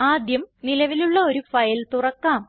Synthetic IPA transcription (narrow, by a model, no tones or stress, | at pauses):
aːd̪jɐmnilɐʋiluɭːɐo̞ɾufɐjɐlt̪urɐkːaːm